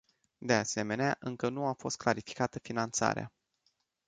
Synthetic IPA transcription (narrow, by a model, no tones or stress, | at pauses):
d̪e̞ase̞me̞neaʔɨŋkənuafo̞st̪̚klaɾifi̥kat̪əfinant̪sa̰ɾḛa̰